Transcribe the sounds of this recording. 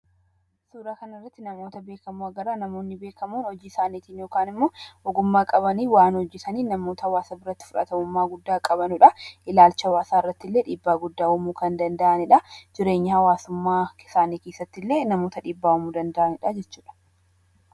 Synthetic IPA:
suːɾaːkɐnɪrːɐt̪ːɪnɐmo̞ːt̪ɐbe̞ːkɐmuɐɡɐɾaːnɐmo̞ːnːɪbe̞ːkɐmuːnɔd͡ʒiːɪsaːniːt̪iːnjo̞ːkaːnɪmːo̞ːɔɡʊmːaːkʼɐbɐniːwaːnhɔd͡ʒːɪsɐniːnɐmoːt̪ɐhɐwaːsɐbɪɾɐt̪ːɪ̥fʊᶑɐ̰t̪ɐmʊmːaːɡʊd̪ːaːkʼɐbɐnʊᶑɐʔɪlaːlt͡ʃɐwaːsaːɪrːɐt̪ːɪlːe̞ːᶑiːbːaːɡʊd̪ːaːɔmuːkɐnd̪ɐnd̪ɐʔɐnɪᶑɐd͡ʒɪɾe̞ːɲːɪhɐwaːsʊmːaːɪsaːniːke̞ːsːɐt̪ːɪlːe̞ːnɐmoːt̪ɐᶑiːbːaːɔmuːd̪ɐnd̪ɐʔɐnɪᶑɐd͡ʒɛt͡ʃːu̥ːᶑɐ̥

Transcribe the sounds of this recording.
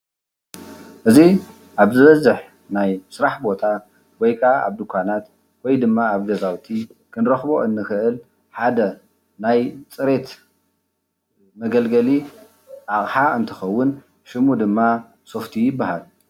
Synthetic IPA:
ʔɨzi | ʔaβzɨβɐzɨħ | najsɨɾaħbo̞t̪ʰa | wɔjkʼaa̰βd̪ɨkʰʷːanat̪ | wɔjd̪ɨmːaaβɡɐzawt̪ʰikʰɨnɾɐxbo̞ʔɨnːɨxɨʔɨl | ħad̪ɐ | najt͡sʼɨɾe̞t̪ | mɐɡɐlɡɐli | ʔaχʼħaɨnt̪ʰɐxɐwːʊn | ʃɨmud̪ɨmːa | so̞ft̪ʰijɪbːahal

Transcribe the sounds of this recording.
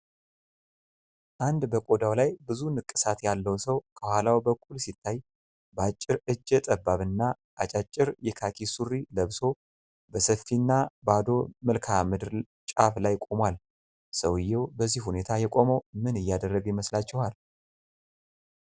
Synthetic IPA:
ʔand̪bəkʼo̞d̪awlajbɨzunɨkʼːɨsat̪jalːəwsəwkʰəhʷalawbəkʷʼulsit̪ʰːaj | bəat͡ʃʼːɪɾɨd͡ʒːɛt̪ʼəbːaβɨnːa | ʔat͡ʃʼat͡ʃʼːɪɾjɛkʰakʰisurːiləβso̞ | bəsəfːinːabad̪o̞məlkʰamɨd̪ɾ | t͡ʃʼaflajkʼo̞mwal | səwɨjːɛwbəzːihune̞t̪ʰajɛkʼo̞məwmɨnɨjːad̪ərːəɡjɪməslat͡ʃːɛhal

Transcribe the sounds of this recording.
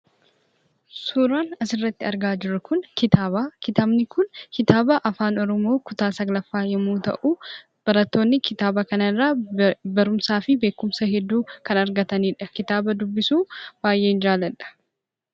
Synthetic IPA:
suːɾaːnɐsɪrːɐt̪ːɪɐɾɡaːd͡ʒɪɾːɐkʊnkɪt̪aːbaːkɪt̪aːbnɪkʊnkɪt̪aːbɐʔɐfaːnɔɾɔmo̞ːkʊt̪aːsɐɡlɐfːaːjɐmuːt̪ɐ̰ʔuː | b̥ɐɾɐt̪ːo̞ːnːɪkʰɪt̪aːbɐkɐnɐrːaːbɐɾʊmsaːfɪbe̞ːkːʊmsɐhɛd̪ːuːkɐnɐɾɡɐt̪ɐniːᶑɐkɪt̪aːbɐd̪ʊbːɪsuːb̥aːjʔe̞ːɪnd͡ʒaːlɐᶑɐ̥

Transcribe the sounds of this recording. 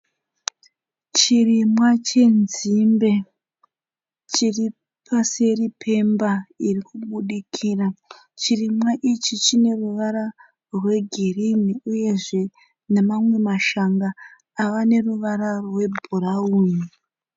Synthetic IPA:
t͡ʃirimwat͡ʃe̞nzimbe̞ | t͡ʃiri | pʰase̞ripʰe̞mbairikuɓuɗikʰiːra | t͡ʃirimwaʔit͡ʃit͡ʃine̞ruʋaɾa | rwe̞ɡʱirimiuje̞ʐe̞ | ne̞mamwe̞maʃaŋɡaː | ʋane̞ruʋaɾarwe̞bʱurauːni

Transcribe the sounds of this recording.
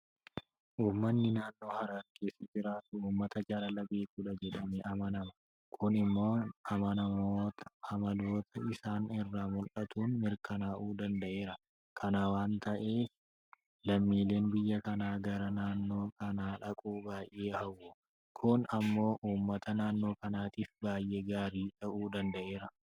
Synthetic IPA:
ʔuːmːɐnːɪnaːnːo̞ːhɐɾaɾkeːsɐd͡ʒɪɾaːt̪ʊuːmːɐt̪ɐd͡ʒɐlɐlɐbeːkuːᶑɐd͡ʒɛᶑɐneːʔɐmɐnɐmɐ | kʰʊnɪmːo̞ːɐmɐnɐmot̪ʰɐ̥hɐmɐd̪o̞ːt̪ʰɐɪsaːnɪrːaːmʊlʔɐt̪uːnmɪɾkɐnaːʔuːd̪ɐnd̪ɐʔe̞ːɾɐ | kʰɐnɐwaːnt̪ɐʔe̞ːf | lɐmːiːle̞ːnbɪjːɐkɐnaːɡɐɾɐnaːnːo̞ːkɐnaːᶑɐkʼuːbaːjʔe̞ːhɐwːʊ | kʰʊnɐmːo̞ːʔuːmːɐt̪ʰɐnaːnːo̞ːkɐnaːt̪iːfbaːjʔe̞ːɡaːɾiːᶑɐʔuːd̪ɐnd̪ɐʔe̞ːɾɐ

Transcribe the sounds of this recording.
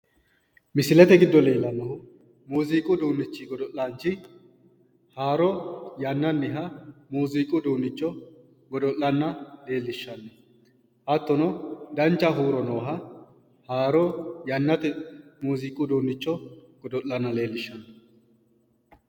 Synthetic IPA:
mɪsɪlɛt̪ɛɡɪd̪ːɔle̞ːlːɐnːɐhʊ | muːziːkʼʊd̪uːnːɪt͡ʃːɪɡɔd̪ɔʔaːnt͡ʃɪ | haːɾɔjɐnːɐnːɪɦɐmuːzikʼʊd̪uːnːɪt͡ʃːɔ | ɡɔd̪ɔʔːɐnːɐle̞ːlːɪʃːɐnːɛ | ʔɐt̪ːɔnɔd̪ɐnt͡ʃːɐɦuːɾɔnɔːɦɐ | haːɾɔjɐnːɐt̪ɛmuːzikʼʊd̪uːnːɪt͡ʃːɔɡ̥ɔd̪ɔʔːɐnːɐle̞ːlːɪʃːɐnɐ

